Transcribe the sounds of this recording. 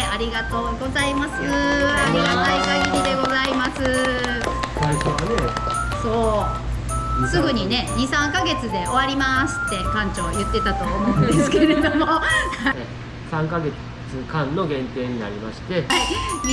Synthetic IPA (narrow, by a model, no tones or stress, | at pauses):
aɾʲiɡat̪o̞ːɡo̞zaimasɨaɾʲiɡat̪aikaɡiɾʲid̪e̞ɡo̞zaimasɨ | sasoane | so̞ː | sɨɡɯ̟ɲ̟ine̞ɲisãŋkaɡe̞t͡sɨd̪e̞o̞βaɾʲimasɨ̥t̪ːe̞kãɲ̟t͡ɕojɯ̟t̪ːe̞t̪at̪o̞ːomõ̟ɯ̃nd̪esɨ̥ke̞ɾe̞d̪o̞moh | sãŋkaɡe̞ | t͡sɨkãnːo̞ɡẽ̞nt̪e̞ːɲ̟ina̰ɾʲimaɕi̥t̪eai